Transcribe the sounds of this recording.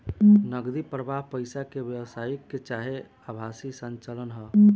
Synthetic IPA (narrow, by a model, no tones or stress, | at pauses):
nəɡd̪ipɾəbʱaɦpəjsakebjəwsaikːet͡ʃaɦe | abʱasisənt͡ʃələnɦə